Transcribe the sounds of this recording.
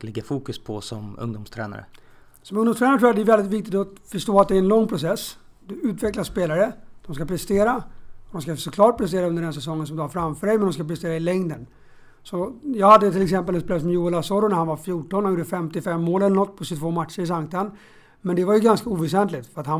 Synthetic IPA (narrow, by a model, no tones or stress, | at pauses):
lɪɡːafuːkɵspʰɔsɔmɵ̰ŋd̪umst̪ʰɾɛ̰ːna̰ɾə̰ | sɔmɵŋd̪ʊmst̪ɾɛnaɾʈ̪ʰɾuːatd̪ɛɾvɛld̪ɪt̪vɪk̚t̪ɪt̪ɔfœʂʈoːat̪̚d̪ɛæɾɛnlɔŋːpʰɾʊsɛsː | d̪ɵʉ̟ːt̪vɛklaspeːlaɾəd̪̥ɔmskapʰɾɛst̪eːɾad̪ɔmskasɔkʰlɑːʈ̚pʰɾɛst̪eːɾaɵnd̪əɖɛns̬ɛsɔŋːəns̬ɔmd̪ɵhaɾfɾamfœːɖɛjmɛnd̪ɔmskapɾɛst̪eːɾaɪlɛŋd̪ən | sɔjɑːɡhad̪ːət̪ʰɪlɛks̬ɛmpəlɛspeːlɾəs̬ɔmjuːlasɔɾʊnæɾhanvaɾfjuːʈɔnhajʊːd̪əfɛmt̪ɪfɛmːoːlɛlnɔt̪̚ːpʰɔsɪt̪ʰvoːmat̪ʂəɾɪs̬aŋkt̪an | mɛnd̪ɛvaɾjɵɡanskauːvɛs̬ɛnt̪lɪt̪fœɾat̪han